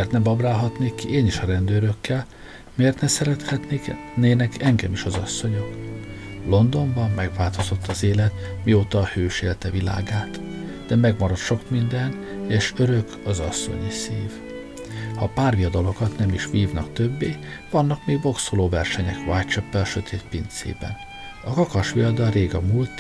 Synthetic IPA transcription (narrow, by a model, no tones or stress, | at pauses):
ert̪nɛbɒbraːlɦɒt̪neːkːieːniʃɒɾɛnd̪øːɾø̞kːɛl | meːrt̪nɛsɛɾɛt̪hɛt̪ne | neːnɛkɛŋɡɛmiʃɒzɒsːo̞ɲo̞k | lo̞nd̪o̞ɱbɒmːɛɡʋaːlt̪o̞z̥ot̪ʰːɒzeːlɛt̪mioːt̪ɒhøːʃeːlt̪ɛvila̰ːɡaːt̪ | d̪̥ɛmɛɡmɒɾɒt̪ʃo̞kmind̪ɛn | eːʃø̞ɾø̞kɒzɒsːo̞̰ɲisiːv | hɒpaːrvijɒd̪ɒlo̞kɒt̪nɛmiʃʋiːvnɒkt̪øbːeː | vɒnːɒkmeːɡbo̞ksoloːvɛrʃɛɲɛkʋaːjt͡ʃɛpːɛlʃøt̪ʰeːt̪pint̪sḛːbɛ̰n | ɒkɒkɒʃʋiɒd̪ɒreːɡɒmuːlt̪